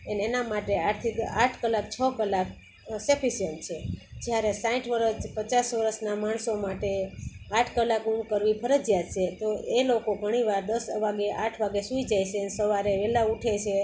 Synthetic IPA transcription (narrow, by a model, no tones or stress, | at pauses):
ənːnamaʈeaʈt̪ʰikaʈʰkəlak̚t͡ʃʰəkəlak | sepʰisijənt͡ʃʰed͡ʒjaɾesãĩʈʰʋəɾəspət͡ʃasʋəɾəsnamaɳsomaʈeaʈʰkəlakuɳkəɾʋipʰəɾəd͡ʒjat̪t͡ʃʰet̪oʔelokoɡʱəɽ̃iʋaɾd̪əsʋaɡeʔaʈʰʋaɡesuid͡ʒajt͡ʃʰeənesəʋaɾeʋɛlauʈʰet͡ʃʰe